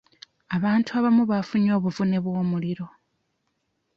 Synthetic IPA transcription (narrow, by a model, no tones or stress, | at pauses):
aβaːntʰuaβamuβafuɲo̞ːβuvune̞βwo̞ːmuliɾo̞